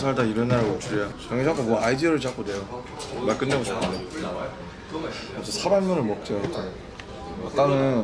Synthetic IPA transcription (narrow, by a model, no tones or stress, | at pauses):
sʰaɭdaiɾʌnːaɾaot͡ɕʰuɾojat͡ɕaŋed͡ʑak͈omwʌaidiʌɾɯɭt͡ɕ͈ak͈odwe̞jo | maɭk͈ɯnːeɡot͡ɕanɯde | asʌsʰabamːʌnɯɭmʌk̚t͡ɕ͈ot͡ɕ͈a | a̰t͈anɯ